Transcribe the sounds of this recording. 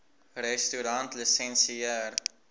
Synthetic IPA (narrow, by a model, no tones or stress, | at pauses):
rɛstyɾɐntlisɛnsiər